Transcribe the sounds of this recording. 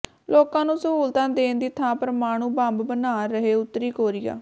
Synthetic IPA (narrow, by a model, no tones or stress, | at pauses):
loːkãːnũːsəɦuːlt̪ãːd̪eːnd̪iːt̪ʰãːpəɾəmaːɽ̃ũːbãmbbənaːɾəɦeːʊt̪ːɾiːkoːɾɪːa̰ː